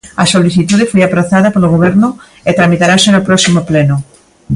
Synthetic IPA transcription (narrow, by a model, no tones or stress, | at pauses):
asoliθit̪uðefojapɾaθaðapoloɣoβ̞eɾnʊ | et̪ɾamit̪aɾasenopɾɔsimopleno